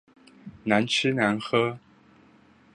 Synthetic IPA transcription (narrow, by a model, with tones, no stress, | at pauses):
na˨˦nt͡ʃ̩ʰ˦na˨˦nxɤ˦